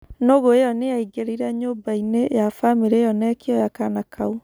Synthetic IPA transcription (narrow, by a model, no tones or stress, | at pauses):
noɣoejɔneaiɡeɾiɾɛɲoːmbainejafameɾejɔnɛkiɔjakanakʰau